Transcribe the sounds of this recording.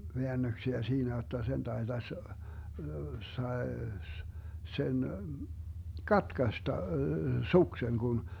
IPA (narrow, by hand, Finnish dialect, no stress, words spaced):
ʋeænːøksiæ siːnæ jotːɑ sen tɑetɑs sɑes sen kɑtkɑstɑ sukseŋ kun